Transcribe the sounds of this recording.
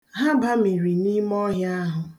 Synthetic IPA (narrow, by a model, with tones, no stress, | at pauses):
ɦa˦ba˦mi˨ɾi˨ni˦m˦ɔ˦ɦɪ˦a˦ɦʊ˨